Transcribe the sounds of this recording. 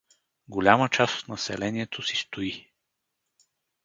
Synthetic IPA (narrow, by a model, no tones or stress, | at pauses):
ɡolʲamət͡ʃaso̥t̪nɐsɛlɛniɛt̪ʰosi̥st̪ʊi